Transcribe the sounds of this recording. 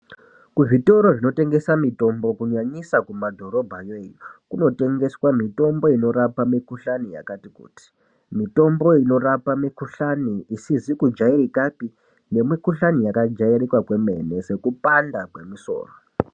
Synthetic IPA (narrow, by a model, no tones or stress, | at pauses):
kuʐito̞ɾo̞ʐino̞te̞ŋɡe̞samito̞mbo̞kuɲaɲisakumadʱo̞ɾo̞bʱajeːjukuno̞te̞ŋɡe̞swamito̞mbo̞ino̞ɾapamikuɬanija̰katikṵːti̥ | mito̞mbo̞ino̞ɾapamikuɬaniisizikud͡ʒairikapi | ne̞mikuɬanijakad͡ʒairikwakwe̞me̞̰ne̞se̞kupandakwe̞miso̞̰ːro